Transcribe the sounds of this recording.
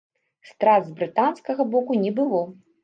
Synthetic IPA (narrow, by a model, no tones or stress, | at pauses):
st̪ɾad̪zbɾɨt̪anskɐɣɐbɔkunʲɛbɨlˠɔ